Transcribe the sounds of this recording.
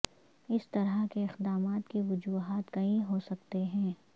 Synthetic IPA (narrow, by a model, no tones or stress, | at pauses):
ɪst̪ɐɾakeɪqd̪aːmaːt̪keʋʊd͡ʒuːɦaːt̪kɐĩɦoːsɐk̚t̪eɦɛ̃ː